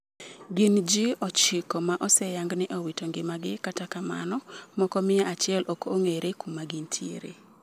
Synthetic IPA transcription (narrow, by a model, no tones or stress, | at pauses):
ɡɪnd͡ʒiɔt͡ʃɪkɔmaʔɔsɛjaŋɡnɪʔowitoŋɡɪmaɡɪkatakama̰nɔmɔkɔmɪaʔat͡ʃɪɛlʔokoŋeɾʔekumːaɡɪntʰiḛɾḛ